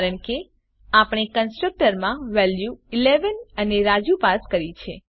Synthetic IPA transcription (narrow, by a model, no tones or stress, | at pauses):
ɾəɳke | apɽ̃ekənsʈɾək̚ʈəɾmãʋɛljuileʋənəneɾad͡ʒupaskəɾit͡ʃʰe